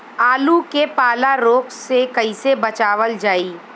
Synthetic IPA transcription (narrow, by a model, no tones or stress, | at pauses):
aːlukepaːlaɾoːksekɐisebɐt͡ʃaːʋəld͡ʒaːiː